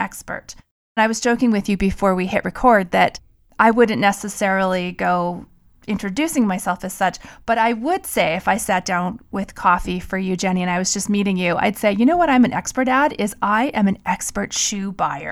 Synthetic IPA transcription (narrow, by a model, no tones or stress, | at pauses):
ʔɛkspə̰˞ɾ̃ | naɪwʌz̥t͡ʃʰoʊkɪ̃ŋwɨðjɨbɨfɔɹwihɪʔ̚ɹʔɨkʰɔɹd̪̚ðɨɾ | ʔaɪwʊdⁿn̩ʔnɛsɨsɛɹl̩ˠiɡoʊ | ɪ̃ntt͡ʃɹ̥ɨdʉsɪ̃ŋmaɪsɛlˠfɨz̥sʌt͡ʃb̥ʌɾaɪwʊd̥seɪɨfaɪsæt̚d̥ãʊ̃nwɪð̥kʰɔfifə˞jɨd͡ʒɛɾ̃iɨ̃naɪwʌzd͡ʒʌstmiɾɪ̃ŋjʉʔa̰ɪd̥seɪjɨnoʊwʌɾãɪ̃mɨ̃nɛ̰kspə˞ɾæɾɪzaɪʔɨ̃mɨ̃nʔɛkspə˞tʃʉbaɪə̰˞